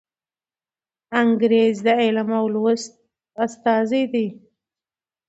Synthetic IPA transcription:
aŋɡɾezd̪əelamawlwəst̪ | ast̪ɑzid̪i

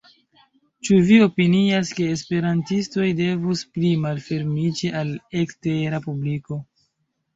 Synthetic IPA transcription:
t͡ʃuvio̞piniaske̞ːspe̞ɾantisto̞jde̞vusplimalfe̞ɾmid͡ʒiʔaleksteɾapubliko̞

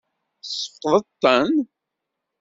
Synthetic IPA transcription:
səfqðˤət̪ːən

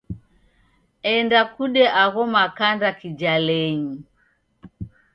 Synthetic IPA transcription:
ɛndakuɗɛʔaɣɔmakandakid͡ʒalɛɲi

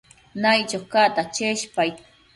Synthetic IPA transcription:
najt͡ʃoχkat̪at͡ʃeʃpaj

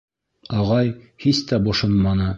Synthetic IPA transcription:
ɑʁɑj | hist̪æbŏʃonmɑnɤ

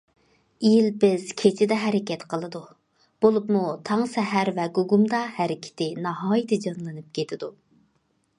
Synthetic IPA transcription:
ijilbɪz̥kʲʰet͡ʃʰɪd̪ɛɦɛɾɪkʲɛt̪qʰəlˠɨd̪u | b̥olˠupmut̪ʰɑŋsɛɦæɾvɛɡoɡumd̪ɑhæɾɪkʲʰɪ̥t̪ʰɪnɑɦɑːjɪt̪ʰɪd͡ʒɑnlˠɨnɨp̚kʲʰet̪ʰɪd̪u

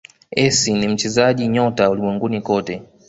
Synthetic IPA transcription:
ɛsinim̩t͡ʃɛzaʄiɲɔtaulimwɛŋɡunikɔtɛ

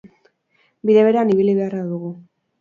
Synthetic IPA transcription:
biðeβe̞ɾeaniβ̞iliβe̞araðuɣu

